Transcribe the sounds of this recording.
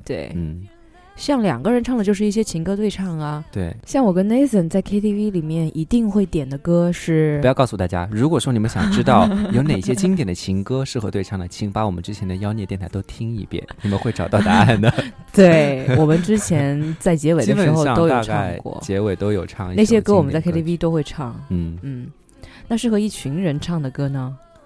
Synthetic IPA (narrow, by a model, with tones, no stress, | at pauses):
t̪wḛ˥˩ɪn̩˥˩ | ɕjɑ˥˩ŋljɑ̰˨˩ŋɡə˦ɻə˧˥nʈ͡ʂʰɑ˥˩ŋlə˩t͡ɕo˥˧ʊʂɻ̩˥˧i˥˩ɕjɛ˥t͡ɕʰi˧˥ŋkɤ˥t̪we˥˧ɪʈ͡ʂʰɑ˥˩ŋɐ˩t̪we˥˩ɪɕjɑ˥˩ŋwɔ˨˩kə˥ne˥ɪsə˨˩nt͡sa˥˩ɪkʰe˥t̪ʰi˥˧vi˥li˨˩mjɛ˥˩nʔi˧˥t̪i˥˧ŋxwe˥˩ɪt̪jɛ˨˩nd̪ə˦kɤ˥ʂɻ̩˥˩u˧˥ɑ˥˧ʊkɑ˥˧ʊsu˧t̪a˥˩t͡ɕja̰˥ɻu˧˥kwɔ˨˩ʂwɔ˥ni˨˩mə˦nɕjɑ˨˩ŋʈ͡ʂɻ̩˥t̪ɑ˥˩ʊjo˧˥ʊne˨˩ɕjɛ˥t͡ɕi˥ŋt̪jɛ˨˩nd̪ə˦t͡ɕʰi˧˥ŋkɤ˥ʂɻ̩˥˩xɤ˧˥t̪we˥˧ɪʈ͡ʂʰɑ˥˩ŋd̪ə˩t͡ɕʰi˧˥ŋpa˧˥wɔ˨˩mə˦nʈ͡ʂɻ̩˥t͡ɕʰjɛ˧˥nd̪ə˨jɑ˥ʊnjt̪jnt̪ʰa˥t̪o˥ʊt̪ʰi˥ŋḭ˥˧pjɛ̰˥˩nni˨˩mə˦nxwe˥˩ɪʈ͡ʂɑ˨˩ʊt̪ɑ˥˩ʊt̪a˧˥a˥˩nd̪ə˩ | t̪we˥˩ɪwɔ˨˩mə˧˦nʈ͡ʂɻ̩˥t͡ɕʰjɛ˧˥nt͡sa˥˩ɪt͡ɕjɛ˧˥we˨˩d̪ə˧˥ʂɻ̩˧˥xo˧ʊ˥t̪o˥ʊja˩˧ʈ͡ʂkaɑ˥˧ɪŋɪkwɔ̰˥˩t͡ɕjɛ˧˥we˨˩ɪt̪o˥ʊjo˨˩ʊʈ͡ʂʰɑ˥˧ŋ˥n˥˩ɕjɛ˥kə˥wɔ˨˩mə˦nt͡sa˥˩ɪe˥t̪ʰi˥i˥t̪o˥ʊxwe˥˧ɪʈ͡ʂʰɑ˥˩ŋn̩˥˩n̩˥˩ | na˥˧ʂɻ̩˥˩xɤ˧˥i˥˩t͡ɕʰy˧˥ŋɻə˧˥nʈ͡ʂʰɑ˥˩ŋd̪ə˩kɤ˥nə˨